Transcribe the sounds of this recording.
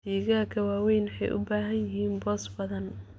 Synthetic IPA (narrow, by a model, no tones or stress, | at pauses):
siːɣaːrkʰɐwaːwɛjnħɛ̰jʔʊ̰baːɦɐnjɪhiːnbɔːsbɐðɐn